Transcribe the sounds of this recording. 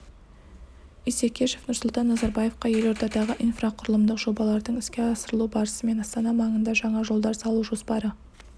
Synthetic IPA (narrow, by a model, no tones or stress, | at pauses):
ijsekʲʰeʃe̞fnʊɾsʊlˠt̪ɑnːɑzɑɾbɑje̞fqɑje̞lo̞ɾt̪ɑd̪ɑʁəʔijnfraqʰʊɾəlˠəmd̪əqʒ̥o̞bɑlˠɑɾd̪əɴɪskʲe̞ɑsəɾəlˠubɑɾəsəme̞nɑst̪ɑnɑmɑɴənd̪ɑʒɑɴɑʒo̞lˠd̪ɑɾsɑlˠuwʒo̞spɑɾə